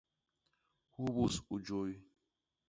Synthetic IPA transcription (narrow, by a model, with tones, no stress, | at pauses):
hu˦βu˨su˨d͡ʒo˦j